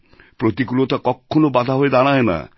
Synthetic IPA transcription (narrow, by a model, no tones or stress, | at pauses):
pɾot̪ikulot̪akɔkʰːonobad̪ʱaɦojd̪aɽ̃aena̰